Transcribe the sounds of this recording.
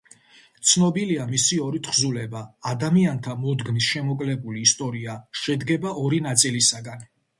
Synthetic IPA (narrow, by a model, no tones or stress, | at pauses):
t̪sʰnɔbiliamisiɔɾit̪ʰχzulɛbaːd̪amiant̪ʰamɔd̪ɡmisʃɛmɔkʼlɛbuliːst̪ʼɔɾiaʃɛd̪ɡɛbaʔɔɾinat̪sʼilisaɡan